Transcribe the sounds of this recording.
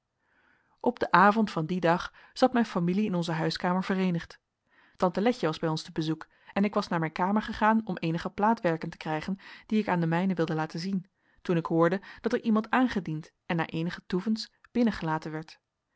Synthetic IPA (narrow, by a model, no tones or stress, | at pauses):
ʔɔbdəʔaːvɔntfɑndidɑχ | z̥ɑtmɛjnfamiliɪnɔnzəɦœɥskaːməɹvərejnəχt | tɑntəlɛçəʋɑzbɛjɔnstəbəzuk | ɛnɪkʋɑsnaːɹmɛjnkaːməɹχəχaːnɔmejnəχəplaːtʋɛɹkəntə̥krɛjχənd̥iɪkaːndəmɛjnəʋɪlˠdəlaːtənzin | tunɪkɦʊːɹdəd̥ɑtəɹʔimɑntaːnχədint | ɛnːa̰ːɹʔejnəχətuvənsb̥ɪnəχəlaːtənʋɛɹt